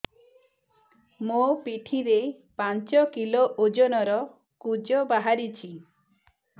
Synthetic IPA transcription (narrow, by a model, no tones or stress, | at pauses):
mopiʈʰiɾe | pant͡ʃɔkiloʔod͡ʒɔnɔɾɔ | kud͡ʒɔbaɦaɾit͡ʃʰi